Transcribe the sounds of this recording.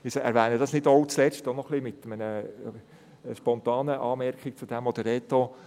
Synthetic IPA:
ɪsɛ̰ɾʋɛːnəd̥̪ɑsnɪdɔwt͡slɛt͡sstɔnɔχlimɪt̪əmənə | ʃpɔnt̪ɑːnəʔɑːmɛɾkʰik̚t͡sud̥̪ɛmɔd̪əɾɛt̪o

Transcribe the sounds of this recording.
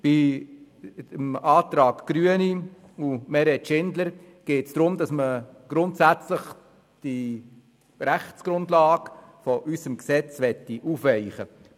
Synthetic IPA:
b̥i | əmɑːt̪ɾɑːkɡ̥ɾyəni | umɛɾɛtʃɪndləɾ | ɡ̥eːtsd̥ɾʊmdɑsməɡ̥ɾʊntsæt͡sləχ | d̥i | ɾæχt͡sɡ̥ɾʊndlɑːɡfɔʔysəmksɛt͡sʋɛtːiʔufʋɛɪχə

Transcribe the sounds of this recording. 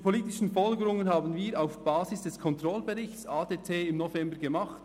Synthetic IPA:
pʰoliːtɪʃən̩fɔlɡəɾʊŋənhaːbən̩viːɾaʊfb̥aːzɪsd̥ɛskʰɔntʁɔlbɛʁɪçt͡saːdeːtʰeːɪmnɔfɛmbəɡemɑχt

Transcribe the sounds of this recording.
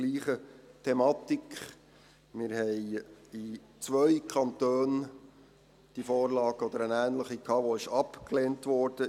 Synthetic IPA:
liːχətʰɛmɑːt̪ikχ | mɪɾhɛɪi | t͡sʋœʏkʰɑntøːn | d̪̥ifɔːrlɑːɡɔd̪əɾənæːnləχikʰɑːʋoɪʃɑpkleːntʋɔːɾd̥ə

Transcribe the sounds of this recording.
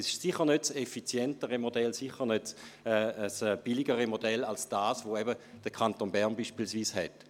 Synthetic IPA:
sɪ̥siχəʁnøtsefit͡sjɛntəʁəmodɛlsiχənøtsɛəsɛːb̥iliɡəʁəmodɛlalsd̥aːsvoɛbə | d̥əkʰantonbɛɐʁnbiːʃpiːlsviːshɛt

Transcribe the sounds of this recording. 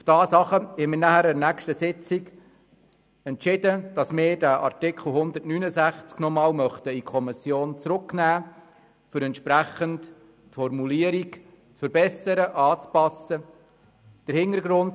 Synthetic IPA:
ufd̥ɑːsɑχəhɛmɪnæhæɾɛɾnækʃtəsɪt͡siɡ | ɛntt͡ʃɪdəd̥ɑsmɪːɾdæʔɑ̰ɾtɪkʰχl̩ˠɦʊnd̪əɾtnynəsæχt͡sknɔmɑːlmœχt̪əikʰɔmɪsjoːnt͡sɾʊknæː | fʏɾɛnt̪ʃpɾæχənt | tfɔrmuliːəɾik | t͡sfəɾbɛsəɾəʔɑːt͡spɑsə | d̥əɾhɪnəɾɡɾʊnd

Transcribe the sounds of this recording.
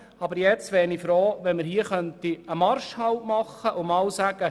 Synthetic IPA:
ɑbəɾjɛt͡sʋɛːɾnifɾoːʋɛnmɪɾɦiːəχœnt̪iəmɑɾʃhɑwmɑχːəʔʊmɑːwsæɡ̥ə

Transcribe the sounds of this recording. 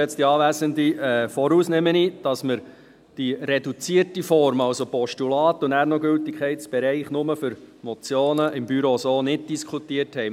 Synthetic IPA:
ɛt͡sd̥iɑːʋæːzəndiɛːfɔɾuːsnɛmənid̥ɑsməɾ | d̥iredut͡siərtifɔɾmɑwsopɔʃtulɑːt̪ʊnæːɾnɔɡʏltɪkʰχɛɪtt͡sb̥ɛɾɛɪχnʊməfʏɾmɔt͡sjoːnəʔɪmbyɾosoːnɪd̚d̥iskʰutiərthɛɪ

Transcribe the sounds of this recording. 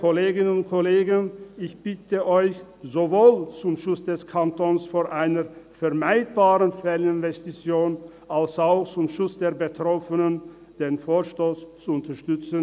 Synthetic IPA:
kʰoleːɡɪnənʊntkʰoleːɡənɪçb̥ɪtʰəʔɔʏç | zovoːlt͡sʊmʃʊt͡sd̥ɛskʰantonsfoːʔaɪnəfɛɐmaɪt̚b̥aːʁənfɛlnɪnvɛstit͡sjoːn | ʔalsaʊxt͡sʊmʃʊt͡sd̥eːɐbətʁ̥ɔfənən | d̥eːnfoːɐʃtoːst͡suʊntɐʃtʏt͡sən

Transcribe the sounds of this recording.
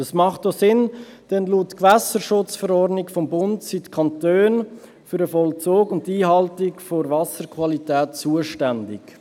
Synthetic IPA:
əsmɑχtosɪnd̥ɛnluːtːkʋæsəɾʃʊt͡sfəɾɔrɾdnɪkfɔmbʊntsitkʰɑntøːn | fʏɾəfɔlt͡soːkʊntːiːɦɑltɪkfoɾvɑsəɾkʰvɑlitɛːtt͡suəʃtændɪ̰k

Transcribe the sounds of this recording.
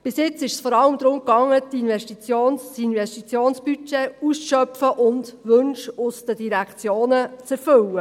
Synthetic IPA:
b̥ɪsjɪt͡sɪʃə̥sfɔɾɑləmd̪ɾʊmkɑŋːət̪inʋɛʃtit͡sjoːnsinʋɛstit͡sjoːnsb̥yt͡ʃeusʃœpfəʔʊndʋɵnʃʊsd̥̪əd̥iɾækt͡sjoːnət͡sɛɾfʏwə

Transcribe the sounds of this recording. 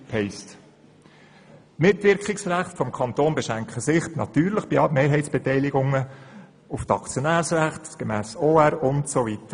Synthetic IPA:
hɛɪst | tmɪtʋɪɾkχɪksræχtfɔmkʰɑnt̪oːnbɛʃæŋkχəsɪχtnɑ̰t̪yːɾləχb̥imeːɾɦɛɪtt͡ssb̥ɛtɛɪlɪɡʊŋə | uftɑkt͡sjonæːɾsɾæχtɡ̥emæːsoːæɾʊntsovit̪ə

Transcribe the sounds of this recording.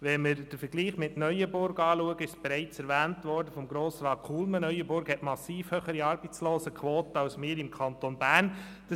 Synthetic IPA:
ʋɛməɾd̥əɾfəɡliːχmɪtnœʏjəbʊɾɡɑːluəɡəɪʃsb̥ɛɾæɪt͡sɛɾʋæːntʋɔɾdəfɔmɡɾoːsɾɑːt̚kʰuːlmənœʏəbʊɾɡhɛtmɑsiːfhøχəɾiɑːɾbət͡sloːsəkʰʋoːtəɑwsmɪːɾɪmkʰɑntonbæːn | d̥ɑ

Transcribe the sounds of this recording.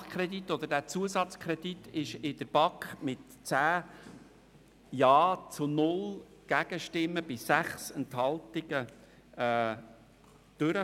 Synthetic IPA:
kʰɾɛd̪it̪ːɔd̪əɾdæːt͡suəsɑt͡skʰɾɛd̪it̪ɪʃɪd̪əɾb̥ɑkχmɪtt͡sæː | jɑːt͡sʊnʊl | ɡ̥æɡ̥əʃtɪmːəbɪsæχsɛntɦɑlt̪ɪɡ̥ə | ɛː | d̥øɾə

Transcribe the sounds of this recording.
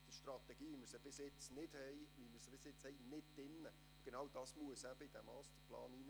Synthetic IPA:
d̥əʃtrɑt̪ɛɡiːʋiməɾsəb̥ɪsjɪt͡snɪd̥hɛɪʋiməɾsəb̥ɪsɪt͡shɛɪnɪd̚d̥ɪnːə | ʊɡ̥enɑwd̥ɑːsmuəsæb̥əid̥̪ɛmɑst̪əplɑ̰ːnin

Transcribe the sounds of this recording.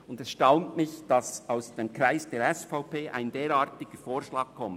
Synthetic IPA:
ʊndɛsʃtaʊntmɪçd̥ɑsaʊsd̥eːmkɾaɪsd̥eːɾɛsfaʊpeːʔa̰ɪndeːɾɑːɐtɪɡ̥əfoːɾʃlɑːɡ̥̚kʰɔmt

